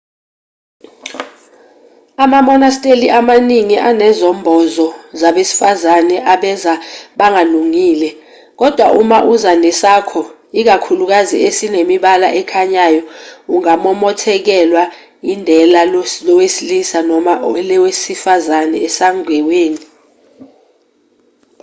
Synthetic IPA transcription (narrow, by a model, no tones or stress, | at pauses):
amamɔnastʼeliʔamaniŋiʔanɛzɔmbʱɔzɔzaɓesi̥fazanɛʔaɓɛzaɓaŋaluŋiːlɛ | k̬ɔd̥ʱwaʔumaʔuzanɛsakʰɔ | ik̬akʰuluk̬aziesinemiɓalaʔɛkʰaɲajɔuŋamɔmɔtʰɛk̬ɛlwa | jindʱɛlallɔwesilisanɔmaʔɔlɛwesifazanɛːsaŋwɛweːni